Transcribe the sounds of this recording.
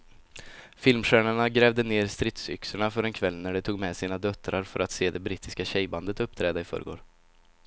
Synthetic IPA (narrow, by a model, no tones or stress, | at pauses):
fɪlmɧæːɳaɳaɡɾɛːvd̪əneːɾst̪ɾɪt̪sʏ̰ksəɳafœɾɛnkʰvɛlːnæɖɛt̪ʰuːɡmɛsiːnad̪œt̪ːɾaɾfœɾʔat̪seːd̪ɛbɾiːt̪ɪskaɕɛjband̪ət̪ɵp̚ːt̪ʰɾɛːd̪aɪfœ̰ːɾə̰ɡo̰ːɖ